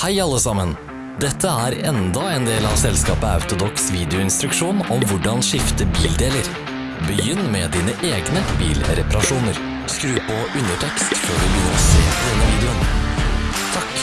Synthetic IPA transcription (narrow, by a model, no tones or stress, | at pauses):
hæɪɑlːəsɑmən | d̪ɛt̪ʰːəæːɾɛnd̪ɑeːnd̪eːlɑʋsɛlskɑːpəɑ̰ʉt̪ʊd̪ɔksʋiːd̪ɪʊɪnst̪ɾʉkʂuːnɔmʋʊɖɑnʂɪft̪əbiːld̪eːləɾ | bəjʏnːmɛd̪iːnəʔeːɡnəbḭːlɾɛpɑɾɑʂuːnəɾ | skɾʉːpɔʔʉnəʈʰɛkst̪føːɖʉbjʏnːəɾɔseːpʰd̪ɛnːəʋiːd̪ɛʊn | t̪ʰɑk